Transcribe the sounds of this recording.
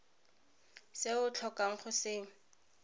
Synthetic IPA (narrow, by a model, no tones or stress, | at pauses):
seʊt͡ɬʰɔkaŋ̩χʊsɪ